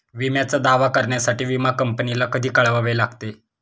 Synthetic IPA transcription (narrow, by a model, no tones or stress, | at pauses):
ʋimjat͡sad̪aʋakəɾɳjasaʈiːʋimakəmpənilakəd̪ʱiːkəɭʋaʋelaɡt̪e